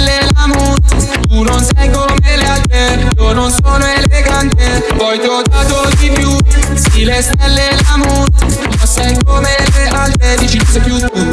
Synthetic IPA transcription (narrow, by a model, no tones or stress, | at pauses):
lːelamuː | t̪unonsɛɡomelealt̪ɾe | ononsoːnoeleɡant̪e | pɔjt̪od̪aːt̪od̪ipjusilest̪ɛlːelamuːɾ | nosɛkomelealt̪ɾed̪it͡ʃisapjut̪ːu